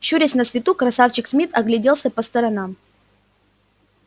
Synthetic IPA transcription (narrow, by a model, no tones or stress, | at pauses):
ɕuɾʲɪsʲnəsvʲɪt̪ukɾɐsaft͡ɕɪksmʲit̪ɐɡlʲɪdʲelˠsʲəpəst̪ɐɾɐnam